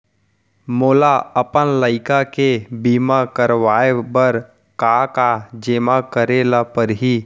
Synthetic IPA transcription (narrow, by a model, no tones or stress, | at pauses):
moːlaəpənləɪkakebiːmakəɾʋaːebəɾ | kakad͡ʒeːmakəɾeːlapəɾɦiː